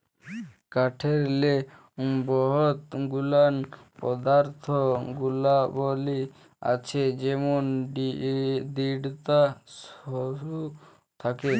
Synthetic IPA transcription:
kaʈʰeɾle | bɔɦɔt̪ɡulanpɔd̪aɾt̪ʰɔɡulabɔli | a̰t͡ʃʰed͡ʒemɔnɖid̪iɽt̪asɔɾu | t̪ʰake

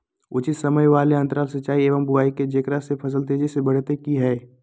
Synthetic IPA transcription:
ʊt͡ʃɪt̪sɐməjʋaːleə̃nt̪əɾaːlsət͡ʃaːieːʋəmbʊaːiked͡ʒekɾasepʰɐs̬əlt̪̬ed͡ʒesebɐɽ̤t̪ekiɦɛː

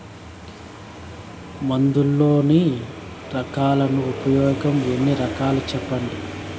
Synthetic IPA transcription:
mɐnd̪ulːo̞ːni | ɾɐkaːlɐnuupɐjɔːɡɐme̞nːiɾɐkaːlut͡ʃɛpːɐɳɖi

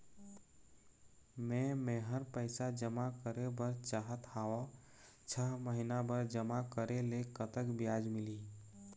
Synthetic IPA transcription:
mẽmẽɦəɾpəɪsad͡ʒəmakəɾebəɾt͡ʃaːɦət̪aːo | t͡ʃʰəɦməɦinabəɾd͡ʒəmakəɾelekət̪əkbjaːd͡ʒmɪli

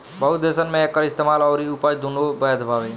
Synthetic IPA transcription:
bəɦut̪d̪esənmẽekːəɾist̪emaːlɔːɾiupad͡ʒd̪unobəd̪bʱaːʋe

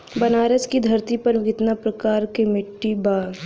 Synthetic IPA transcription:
bɐnaːɾəskid̪ʱɐɾt̪ipɐɾɡɪt̪napɾɐkaːɾkemɪʈːibaːɾ

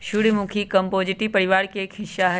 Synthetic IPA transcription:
ʃʊɽimʊkʰikɐmpoːd͡ʒɪʈipɐɾɪʋaːɾkekʰɪʃaɦɛ

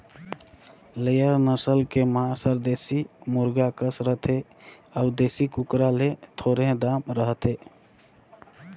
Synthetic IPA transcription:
ləjəɾnəsəlkemãsəɾd̪esimuɾɡakəsɾət̪e | aʊd̪esikukɾalet̪ʰoɾẽd̪amɾəɦət̪e

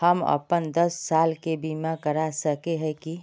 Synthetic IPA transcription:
həmə̰pənd̪əsːaːlkebiːmãkəɾasəkeɦɛ̃ki

